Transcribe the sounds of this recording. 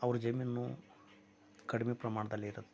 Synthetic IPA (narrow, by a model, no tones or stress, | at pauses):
ɐʋɐɾud͡ʒɐmjinːu | kɐɽimepɾɐmaːɳɐd̪ɐlːiɾɐt̪ː